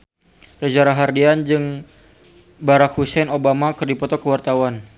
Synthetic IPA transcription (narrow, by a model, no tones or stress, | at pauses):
rəd͡ʒaɾaɦardiand͡ʒɨŋ | baɾak̚husɛnobamakɨrdipɔt̪ɔkəwart̪awan